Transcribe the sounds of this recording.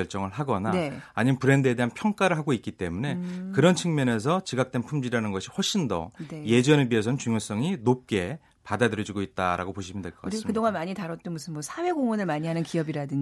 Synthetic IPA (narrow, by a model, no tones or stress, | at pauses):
ʌɭt͡ɕ͈ʌŋɯɭɦaɡʌnaeːɲimpɯɾe̞ndɯe̞deɦanpʰjʌŋk͈aɾɯɭɦaɡoik͈it͈e̞mune̞kɯɾʌnt͡ɕʰiŋmjʌne̞s̬ʰʌt͡ɕiɡak̚t͈e̞npʰumd͡ʑiɾanɯnɡʌɕʰihwʌɭɕ͈ʰindʌ̰neje̞d͡ʑʌnebiesʰʌnɯnt͡ɕuŋjos͈ʌŋinop̚k͈e̞ | padadɯɾjʌd͡ʑiɡoit̚t͈a̰ɾʔa̰ɡopoɕʰimjʌndeɭk͈ʌk͈asmkɯdoŋanmaɲitaɾʌt̚t͈omusʰɯnmʌsʰawe̞ɡoŋʌnɯɭmaɲiɦanɯnkiʌbiɾadɯɲ